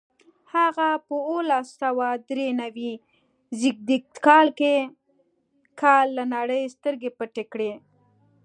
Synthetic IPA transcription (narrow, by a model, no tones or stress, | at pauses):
haɣapəolasawad̪ɾenawi | zɪɡ̚d̪ik̚t̪kɑlke | kʰɑlːanɑɽəjst̪əɾɡepəʈekɽe